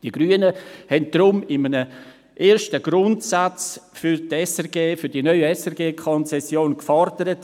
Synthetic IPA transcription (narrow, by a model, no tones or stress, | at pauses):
d̥iɡ̥ɾyːənəhɛnt̚d̥ɾʊmɪmənə | ʔeːɾʃtəɡ̥ɾʊntsat͡sfyɾtɛsɛʁɡeːfyɾd̥inœʏɛsɛʁɡeːkʰɔnt͡sɛsjoːnkfɔɾdəɾət